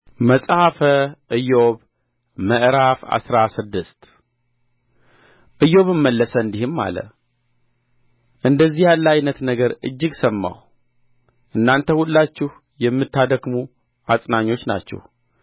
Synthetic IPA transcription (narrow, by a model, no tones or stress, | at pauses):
məsʼhafəʔɨjoβ | məʔɾafa̰sɾasɨd̪ɨst̪ | ʔɨjo̞βɨmːəlːəsəɨnd̪ihɨmːa̰lə̰ | ʔɨnd̪əzːihjalːajnət̪nəɡəɾɨ̰d͡ʒːɪɡsəmːa̰w | ʔɨnːant̪ʰəhulːat͡ʃːɪh | jɛmːɨt̪ːad̪əɡmu | ʔasʼnaɲːo̞t͡ʃːna̰t͡ʃːɛ̰h